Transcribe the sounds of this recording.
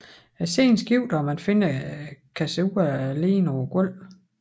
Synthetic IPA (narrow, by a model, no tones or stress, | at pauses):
æsḛnsɡ̥iʊ̰d̥ɒmænfe̝nəkʰæsuːɐle̝̰ːnɒʊɐɡ̥ɔl̰